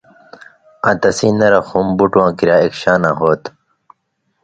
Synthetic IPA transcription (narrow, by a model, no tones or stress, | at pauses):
ãt̪ɐsĩːnɐɾɐxumbuʈwãːkiɾjaːekɕaːnaːɦoːt̪